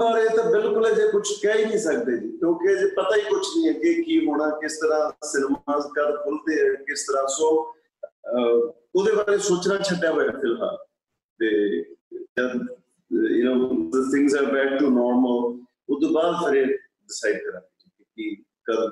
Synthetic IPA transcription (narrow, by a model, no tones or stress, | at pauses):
ɔːɾeːt̪ãːbɪlkʊlɛːd͡ʒekʊt͡ʃʰkɛːiːkiːsək̚d̪eːd͡ʒiːkjõːkeəd͡ʒeːpət̪aːiːkʊt͡ʃʰnĩːɛːkekiːɦoːɽ̃ãːkɪst̪əɾãːsɪnmaːzkəɽkʰʊld̪eːɛ̃ːkɪst̪əɾãːsoː | oːd̪eːbaːɾeːsoːt͡ʃnãːt͡ʃʰəɖjaːboːjãːpʰɪlɦa̰ːl | t̪eː | d͡ʒəd̪ | jə̰noːət̪ʰɪ̃ŋɡzaːɾbɛːk̚ʈuːnɔːɾməl | ʊd̪oːbaːd̪t̪ʰəɾeː | ɖɪsaːɪɖkəɾãːd͡ʒid͡ʒiːkekiː | kəd̪